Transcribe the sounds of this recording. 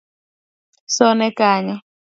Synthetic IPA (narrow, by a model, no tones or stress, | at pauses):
sɔnɛkaɲɛ